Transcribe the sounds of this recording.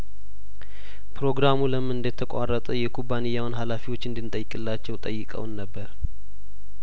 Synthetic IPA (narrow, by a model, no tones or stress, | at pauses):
pʰɾo̞ɡɾamuləmːɨɨnd̪ət̪ʰːəkʷʼa̰rːət̪ʼəjɛkʰubːanɨjːawnɦalafiwo̞t͡ʃːɨnd̪ɨnt̪ʼəjːɪkʼɨlːat͡ʃːɛwt̪ʼəjːɨkʼə̰wnːəbːəɾ